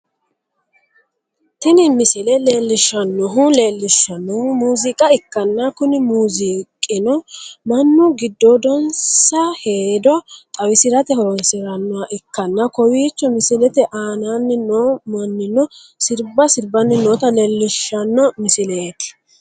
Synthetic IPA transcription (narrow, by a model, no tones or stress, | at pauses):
t̪ɪnɪmɪsɪlɛle̞ːlːɪʃːɐnːɔɦʊle̞ːlːɪʃːɐnːɔmuːzɪkʼɐɪkːɐnːɐkʊnɪmuːzɪkʼːɪnɔmɐnːʊɡɪd̪ːɔd̪ɔnsɐheːd̪ɔt̪ʼɐwɪsɪɾɐt̪ɛhɔɾɔnsɪɾɐnːɔwɐʔɪkːɐnːɐkɔwiːt͡ʃːɔmɪsɪlɛt̪ɛʔaːnanːɪnoːmɐnːɪnɔ | sɪɾbɐsɪɾbɐnːɪnoːt̪ɐleːlːɪʃːɐnːɔmɪsɪlet̪ɪ̥